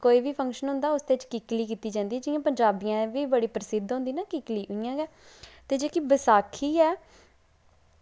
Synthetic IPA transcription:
koːiːʋiːpʰə̃ŋkʃənɦʊ̃nd̪aːʊsd̪eːɪt͡ʃkiːkliːkiːt̪iːd͡ʒãːnd̪iːɛd͡ʒɪjãːpəɲd͡ʒaːbiːãːʋiːbəɽiːpɾəsɪd̪ɦõːnd̪iːnaːkiːkliːʔʊijãːɡɛː | t̪eːd͡ʒeːkiːbəsaːkʰiːɛː

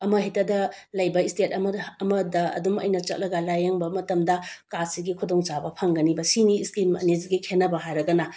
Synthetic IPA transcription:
ɐmɐɦitɐdɐlɐjbɐistetɐmɐɐmɐdɐɐ̰dumɐ̰jnɐt͡ʃɐ̰t̚lɐɡɐlajaŋbɐmɐtɐmdɐkasiɡikʰudoŋt͡ʃabɐpʰɐŋɡɐnibɐsiniːskimɐ̰niziɡikʰenːɐbɐɦajɾɐɡɐnɐ

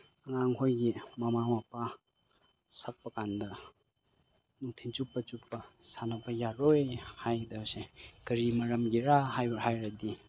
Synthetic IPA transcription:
ɐŋaŋhojɡimɐmamapa | sɐk̚pɐkandɐ | nuk̚tʰint͡ʃupːɐt͡ʃupːɐsanapajaɾojhajdɐsekɐɾimɐɾɐmɡiɾaɦajbhajɾadi

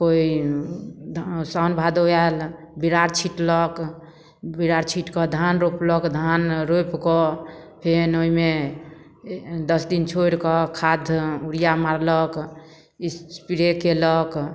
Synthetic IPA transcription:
koi | sanbʱad̪oal | biɾaɾt͡ʃʰiʈlɔk | biɾaɾt͡ʃʰiʈkɔd̪ʱanɾoplɔkd̪ʱanɾopkɔpʰenoime | d̪əsd̪int͡ʃʰoɾkɔkʰad̪ʱuɾijamaɾlɔk | ispiɾekelɔk

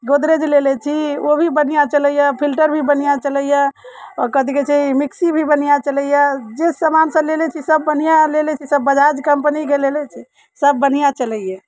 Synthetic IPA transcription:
ɡod̪ɾed͡ʒlelɛt͡ʃʰiobʱibənijat͡ʃələjapʰilʈəɾbʱibənijat͡ʃələjaɔɾkəd̪iket͡ʃʰeimiksibʱibən̤ijat͡ʃələjad͡ʒesəmansə̃lelɛt͡ʃʰisəbːənijalelɛt͡ʃʰisəbːəd͡ʒad͡ʒkəmpəniɡelelɛt͡ʃʰi | səb̚ːənijat͡ʃələjɛ

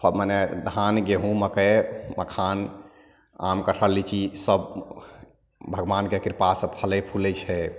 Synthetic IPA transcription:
pʰəmənɛd̪ʱanɡeɦũməkɛməkʰan | a̰mkəʈʰəlːit͡ʃʰisəb | bʱəɡʋankekiɾpasə̃pʰəlɛpʰulɛt͡ʃʰɛ

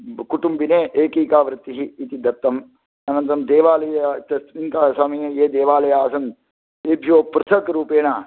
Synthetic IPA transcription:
kuʈumbineːʔeːkiːkaːʋɾɪt̪ːiɦiːt̪id̪ɐt̪ːɐm | ɐnɐnt̪ɾɐmd̪eːʋaːlɐjɐt̪ɐint̪aːsaːmɐjejeːd̪eːʋaːlɐjaːsɐn | ebʱjoːpɾɨt̪ʰɐkɾuːpeːɳaː

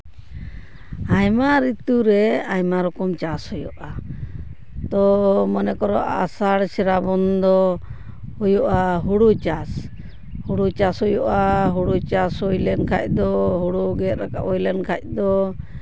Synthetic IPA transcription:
ajmaɾit̪uɾɛajmaɾɔkɔmt͡ʃashɔjɔ̰ʔa | t̪ɔmənɛkɔɾɔʔa̰saɽsɛɾabɔnd̪ɔ | hujɔʔaɦuɽut͡ʃas | huɽut͡ʃashɔjɔʔaɦuɽut͡ʃashujlɛnkʰac̚ˀd̪ɔɦuɽuɡɛt̪̚ɾakaʔɔjlɛnkʰac̚d̪ɔ

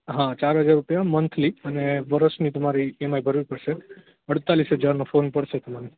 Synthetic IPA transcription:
ɦãt͡ʃaɾɦəd͡ʒaɾːupjamənt̪ʰliəneʋəɾəʃnit̪əmaɾiemajbʱəɾʋipəɽʃe | əɽt̪alisɦəd͡ʒaɾnofonpəɽʃet̪əmani

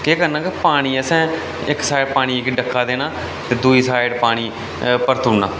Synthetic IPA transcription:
keːkəɾnãːkepaːɽ̃iːəsɛ̃ː | ɪksaːɪɖpaːɽ̃iːɪkɖəkʰːaːd̪eːñaː | t̪eːd̪uːiːsaːɪɖpaːɽ̃iː | pəɾt̪uːnã̰ː

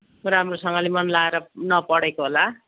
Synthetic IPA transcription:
ramrosʌŋɡʌlemʌnlaeɾʌnʌpʌɽekoɦola

